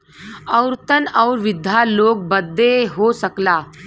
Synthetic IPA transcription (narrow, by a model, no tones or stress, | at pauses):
əwɾt̪ənɔːɾʋɪd̪ʱːjaloːk̚bəd̪ːeɦosəklaː